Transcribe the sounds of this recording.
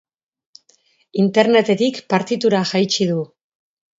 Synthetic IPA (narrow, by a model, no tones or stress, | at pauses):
int̪e̞ɾne̞t̪e̞t̪ikpaɾt̪it̪uɾaʝajt͡ʃiðu